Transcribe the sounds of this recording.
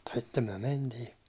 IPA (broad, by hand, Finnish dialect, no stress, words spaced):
sitːem myæ̹ mentiː